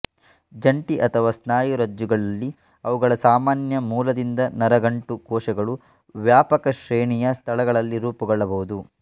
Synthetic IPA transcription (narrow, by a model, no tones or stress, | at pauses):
d͡ʒɐɳʈiʔɐt̪ʰɐʋaːsnaːjuɾɐd͡ʒːuɡɐɭɐlːi | ɐʋuɡɐɭɐsaːmaːnjɐmuːlɐd̪ind̪ɐnɐɾɐɡɐɳʈukɔːʃɐɡɐɭu | ʋjaːpɐkɐʃɾeːɳijɐst̪ʰɐɭɐɡɐɭɐlːiɾuːpɐɡɔɭːɐbɐɦud̪u